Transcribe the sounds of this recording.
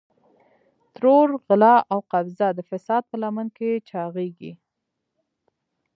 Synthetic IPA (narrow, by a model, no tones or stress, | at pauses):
t̪ɾoɾɣɪlɑʔawqabzad̪əfɪsɑd̪̚pəlamənket͡ʃɑɣeɡḭ